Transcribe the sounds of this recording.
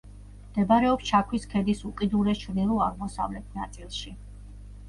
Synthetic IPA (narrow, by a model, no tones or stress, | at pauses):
md̪̥ɛbɾɛɔpst͡ʃʰakʰwiskʰɛd̪isukʼid̪uɾɛt͡ʃʰvnilˠuaʁmɔsa̰vlɛt̪ʰnat̪sʼilˠʃi